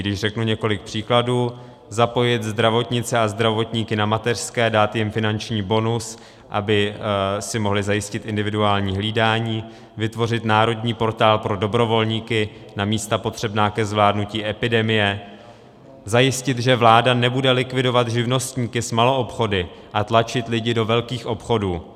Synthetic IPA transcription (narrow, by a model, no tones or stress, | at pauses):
ɡdɪʃr̥ɛknuɲɛko̞lɪk̚pr̝̥iːkladuː | zapo̞jɪt̪zd̪ɾavo̞t̪ɲɪt͡sɛazd̪ɾavo̞t̪ɲiːkɪnamat̪ɛr̥skɛːdaːt̪jɪmfɪnant͡ʃɲiːbo̞nus | ʔa̰bɪsɪmo̞ɦlɪzajɪscɪt̪ʔɪndɪvɪduaːlɲiːɦliːdaːɲiː | vɪt̪vo̞r̝ɪt̪naːɾo̞dɲiːpo̞ɾt̪aːlpɾo̞do̞bɾo̞vo̞lɲiːkɪ | namiːst̪apo̞t̪r̝̥ɛbnaːkɛzvlaːdnuciːʔɛpɪdɛmɪjɛ | zajɪscɪt̪ʒɛvlaːdanɛbudɛlɪkvɪdo̞vat̪ʒɪvno̞st̪ɲiːkɪsmalo̞ʔopxo̞dɪ | ʔat̪lat͡ʃɪt̪lɪɟɪdo̞vɛlkiːxʔo̞pxo̞duː